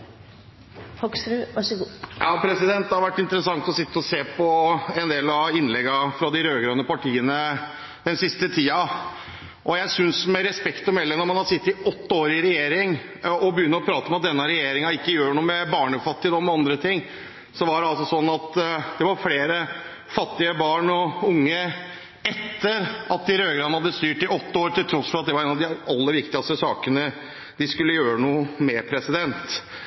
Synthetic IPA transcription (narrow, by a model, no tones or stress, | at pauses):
ɑksɾʉʋɑʂɡuːjɑ̰ːpʰɾɛsɪd̪ɛnt̪̚d̪ɛhɑɾʋæʈːɪnt̪əɾəsɑŋt̪ɔsɪt̪ːəɔseːpʰɔɛnd̪eːlɑɪnːlɛɡːɑfɾɑd̪ɪɾøːɡɾøːnəpɑʈʰiːənə | d̪̥ɛnsɪst̪ət̪ʰiːɑ | ʔɔjæɪsʏnsmɛɾɛspɛkt̪ɔmɛlːəɾnɔɾmɑnhɑd̪sɪt̪ːɪɔt̪ːəoːɾɪɾɛjeːɾɪŋ | ɔbəjʏnːəɾɔpʰɾɑːt̪əɔmɛɑt̪̚d̪ɛnːəɾɛjeːɾɪŋɑɪkːəjøːɾɳuːəmɛbɑːɳfɑt̪ːɪəd̪ɔmɛɑnd̪ɾət̪ʰɪŋː | sɔʋɑɖɛɑlsɔsɔnːɑt̪d̪̥ɛʋɑɾfleːɾə | fɑt̪ːɪəbɑːɳɔʊŋːə | ɛt̪ːəɾɑt̪̚ɪɾøːɡɾɑːnhɑd̪ːəst̪yːʈɪɔt̪ːəoːɾʈ̪ɪlt̪ʰɾɔsfɔɾɑt̪̚d̪ɛʋɑɾɛnɑʋd̪ɪɑlːəɾʋɪkt̪ɪɡɑst̪əsɑːkənə | d̪ɪskʉlːəjøːɾənuːmɛpʰɾɛsɪd̪ɛnt̪